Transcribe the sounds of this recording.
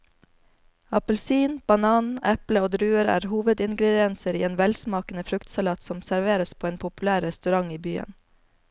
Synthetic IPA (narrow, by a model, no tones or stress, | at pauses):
ɑpəlsiːnb̥ɑnɑːnɛpləoːd̪ɾʉːəɾæ̰ːɾhuːʋəd̪ɪnɡɾɛd̪ɪɛnsəɾiːeːnʋɛlsmɑːkən̩əfɾʉkt̪sɑlɑːt̪sɔmsæɾʋeːɾəspʰoːeːnpʰʊpʉlæːɾːɛst̪ʉɾɑŋiːbyːə̰n